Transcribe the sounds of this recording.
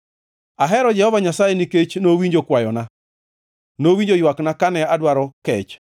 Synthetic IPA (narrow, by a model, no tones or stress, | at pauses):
aɦɛɾɔd͡ʒɛhɔvaɲasajɛniket͡ʃnowiɲd͡ʒokwajɔna | nowiɲd͡ʒojwaknakanɛadwaɾɔkɛt͡ʃ